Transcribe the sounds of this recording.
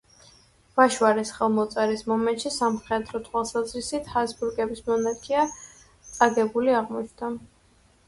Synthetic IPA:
v̥aʃwaɾɛsχɛlˠmɔt̪sʼɛɾismɔmɛnt̪ʃisamχɛd̪ɾɔt̪ʰwalˠsazɾisit̪ʰhasbuɾɡɛbismɔnakʰia | t̪sʼaɡɛbuliaʁmɔt͡ʃʰd̪a

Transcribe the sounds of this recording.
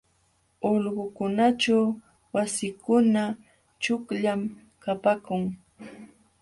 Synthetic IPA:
oʎɢʊkʊnat͡ʃaw | wasɪkʊna | t͡ʃʊkʎam | kapakʊŋ

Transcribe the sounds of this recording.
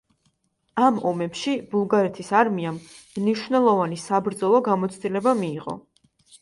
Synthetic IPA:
amɔmɛpʃibulˠɡaɾɛt̪ʰisaɾmiammniʃwvnɛlˠɔvanisabɾd̪zɔlˠɔɡamɔt̪sʰd̪ilɛbamiːʁɔ̰

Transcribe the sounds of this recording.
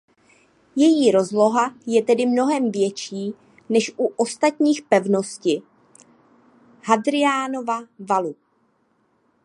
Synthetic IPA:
jɛjiːɾo̞zlo̞ɦajɛt̪ɛdɪmno̞ɦɛmvjɛt͡ʃiː | nɛʃʔuʔo̞st̪at̪ɲiːxpɛvno̞scɪ | hɦadɾɪaːno̞vavalu

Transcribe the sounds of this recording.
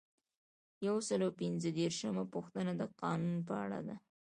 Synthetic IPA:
jawsəlawpɪnzəd̪eɾʃəmapuxt̪ənad̪əqɑnunpəa̰ɽa̰d̪a

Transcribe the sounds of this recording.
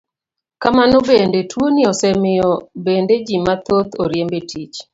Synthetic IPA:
kamanɔbendetʰwonɪɔsɛmɪɔbended͡ʒimat̪ot̪oɾjembetʰit͡ʃ

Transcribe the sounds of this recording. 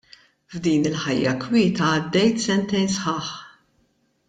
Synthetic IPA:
vd̪iːnɪlħɐjːɐkwɪːt̪ɐːd̪ːɛjt̪sɛnt̪ɛjnsħɐːħ

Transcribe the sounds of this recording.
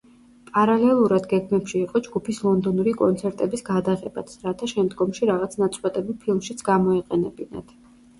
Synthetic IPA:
pʼaɾalɛlˠuɾad̪ɡɛɡmɛpʃiːqʼɔd͡ʒɡupʰislˠɔnd̪ɔnuɾikʼɔnt̪sʰɛɾt̪ʼɛbisɡad̪aʁɛba̰t̪sɾat̪ʰaʃɛmd̪ɡɔmʃiɾaʁat̪sʰnat̪sʼqʼwat̪ʼɛbilˠpʰilˠmʃit̪sʰɡamɔɛqʼɛnɛbina̰d̪̥

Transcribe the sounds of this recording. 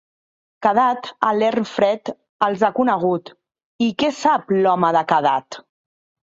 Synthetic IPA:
kəðat̪alɛrnfɾɛt̪ | əlˠzakunəɣ̞ut̪ | ikɛsaplɔməðəkəðat̪

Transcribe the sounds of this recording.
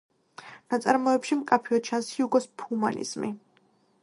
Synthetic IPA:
nat̪sʼaɾmɔɛpʃimkʼapʰiɔt͡ʃʰanshiuɡɔspʰhuma̰nḭz̥mi

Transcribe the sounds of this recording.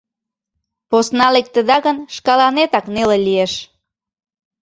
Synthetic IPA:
posnɑlek̚t̪əd̪ɑɣənʃkɑlɑnet̪ɑknelelieʃ

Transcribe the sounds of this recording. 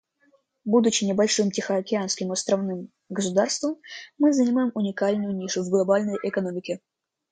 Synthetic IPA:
bud̪ʊt͡ɕːɪnʲɪbɐlʲʂɨmtʲɪxəɐkʲɪanskʲɪmɐst̪ɾɐvnɨm | ɡəs̬ʊd̪arst̪vəmːɨzənʲɪmajɪmʊnʲɪkalʲnʊjʊnʲiʂʊvɡlˠɐbalʲnəjʔɪkɐnomʲɪkʲɪ

